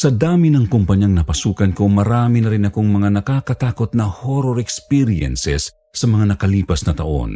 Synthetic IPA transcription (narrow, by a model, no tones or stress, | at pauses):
sɐd̪aːmɪnɐŋkʊmpɐɲjaŋnɐpɐsuːkɐnko̞mɐɾaːminɐɾɪnɐko̞ŋmɐŋanɐkakɐt̪aːko̞t̪̚nɐhoɾoɾɛkspiɾiɛ̰nsɛsː | ɐmɐŋanɐkɐliːpɐsnɐt̪ɐʔo̰n